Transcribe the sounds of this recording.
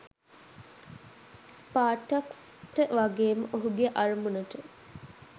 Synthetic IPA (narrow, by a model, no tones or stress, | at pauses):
spaːʈɐksʈəʋaɡeːməʔoɦuɡeʔɐrumunəʈə